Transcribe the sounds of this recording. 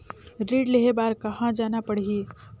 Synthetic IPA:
ɾiːɖleɦebaːɾkɐɦãd͡ʒaːnapəɽ̤i

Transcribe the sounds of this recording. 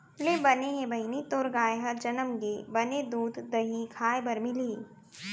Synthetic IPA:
lebɐneɦẽbɐɦinit̪oːɾɡaːeɦɐɾd͡ʒɐnəmɡebɐned̪uːd̪d̪ɐɦikʰaːebɐɾmɪliː

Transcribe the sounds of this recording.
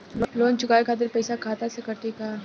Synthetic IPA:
loːnt͡ʃʊkaːekʰaːt̪̬ɪɾpɛːsakʰaːt̪asekɐʈikaː

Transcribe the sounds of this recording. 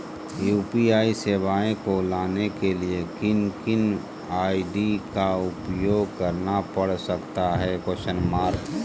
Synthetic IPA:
juːpiaːiseːʋaːẽkolaːnekeliekɪnkɪn | aːiɖikaʊpjoːɡ̚kəɾnapəɽ̤səkt̪aɦɛkoʃənmaːɾ

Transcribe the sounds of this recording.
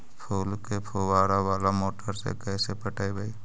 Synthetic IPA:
pʰuːlkepʰuwaːɾawaːlamoːʈəɾsḛkɛːsepəʈaːebʱai

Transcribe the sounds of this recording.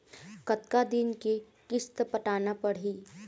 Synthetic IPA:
kɐt̪kad̪ɪnke | kɪst̪pɐʈaːnapɐɽ̤iː

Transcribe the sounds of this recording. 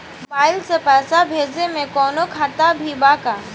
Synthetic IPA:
baːɪlsepɛːsabʱeːd͡ʒnemẽkɔːnokʰaːt̪abʱibaːkaː

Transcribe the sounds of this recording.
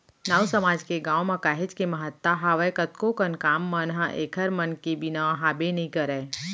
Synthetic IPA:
naːwsəmaːd͡ʒkeɡãːwmɐkaːɦɪd͡ʒkemɐɦət̪ːaɦaːʋəjkət̪kokənkaːmːɐnɦãʔeːkʰəɾmɐnkebɪnaɦaːbenɐĩkəɾɛː

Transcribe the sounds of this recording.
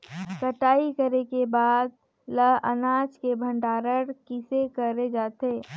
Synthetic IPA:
kəʈaːikəɾekebaːd̪̚ | ləə̰naːd͡ʒkebʱə̃ɳɖaːɾəɾkɪsekəɾed͡ʒaːt̪eː

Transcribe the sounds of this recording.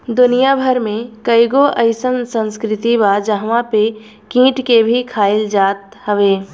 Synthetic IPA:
d̪ʊnijabʱəɾmẽkəɪɡoʔəɪsənsə̃nskɾɪt̪ibaːd͡ʒəɦʋãpe | kĩːʈkebʱikʰaːɪld͡ʒaːt̪ | həʋeː

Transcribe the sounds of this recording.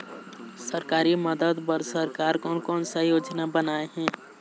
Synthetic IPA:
səɾkaːɾiməd̪əd̪pəɾsəɾkaːɾkɔːnkɔːnsajoːd͡ʒnabənaːeɦɛ̃ː

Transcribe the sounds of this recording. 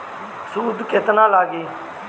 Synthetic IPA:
suːd̪kɪt̪nãːlaːɡiː

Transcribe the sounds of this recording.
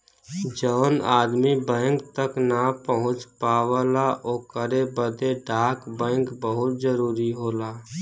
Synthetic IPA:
d͡ʒəːna̰ːd̪mibɛ̃ːŋk̚t̪əknapəɦʊ̃t͡ʃpaːʋəːlaʔoːkəɾebəd̪eɖaːkbɛ̃ːŋkbəɦʊt̪d͡ʒəɾuːɾiɦoːlaː

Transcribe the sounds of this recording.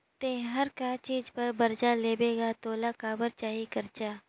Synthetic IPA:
t̪ẽːɦɐɾkat͡ʃiːd͡ʒpɐɾbɐɾd͡ʒaleːbeːɡat̪oːlakaːbəɾt͡ʃaːɦikɐɾt͡ʃaː

